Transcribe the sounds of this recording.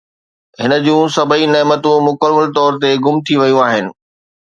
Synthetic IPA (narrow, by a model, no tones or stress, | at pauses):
ɦɪnə̆d͡ʑũːsɐbʱinɛːmət̪ũmʊkəməlt̪ɔːɾt̪eɡʊmt̪ʰiʋɐjũaːɦɪnɪ̆